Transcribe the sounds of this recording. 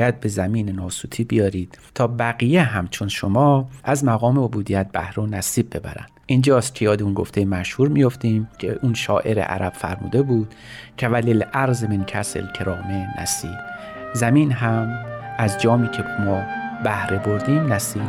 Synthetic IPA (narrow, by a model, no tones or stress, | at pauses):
jæd̪̚be̞zæmiːnenɒːsuːt̪ʰiːbijɒːɾiːd̪̥t̪ʰɒːbæɣijeɦæmt͡ʃʰonʃo̞mɒːʔæzmæɣɒːmeobuːd̪ijæt̪̚b̥æ̰hɾonæsiːb̚ːe̞bæ̰ɾæ̰nd̥̪ʔind͡ʒɒːst̪̚kʲʰe̞jɒːd̪eunɡo̞ft̪ejemæʃhuːɾmijo̞ft̪iːmcʲʰḛʔunʃɒ̰ːʔe̞ɾḛʔæ̰ɾæb̥fæ̰ɾmṵːd̪e̞buːd̪̥ | cʰevælilʔæɾzemincʰæ̰sḛlcʰeɾɒːmenʔæ̰siːb | zæmiːnɦæmʔæzd͡ʒɒːmiːcʰemɒːbæhɾe̞bo̞ɾd̪iːmnæsiːb